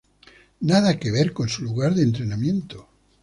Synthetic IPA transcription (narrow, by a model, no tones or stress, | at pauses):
naðakeβ̞eɾko̞nsuluɣaɾðent̪ɾe̞namjẽ̞nt̪o